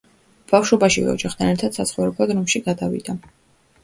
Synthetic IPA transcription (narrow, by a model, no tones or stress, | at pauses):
b̥afʃɔbaʃivɛ̰ɔ̰d͡ʒaχt̪ʰanɛɾt̪ʰad̪̥sat̪sʰχɔvɾɛblˠad̪ɾɔmʃiɡad̪avḭd̪a